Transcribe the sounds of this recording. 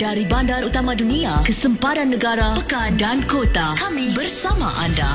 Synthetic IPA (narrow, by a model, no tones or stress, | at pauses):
daɾibandaɾut̪amãduniakəsəmpaɾanːəɡaɾapəkandankot̪akamibərsama̰ʔanda̰